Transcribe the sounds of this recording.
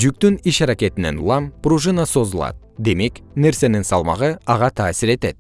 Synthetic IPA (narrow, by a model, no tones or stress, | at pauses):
ʒyk̚t̪yniʃɑɾakʲe̞t̪ɪne̞̰nṵlˠɑmpruʒɨnaso̞zəlˠɑ̰d̪̚ | d̪e̞me̞kne̞ɾse̞nɪŋsɑlˠmɑ̰ʁəɑʁɑt̪ʰɑːsɪɾe̞t̪e̞t̪̚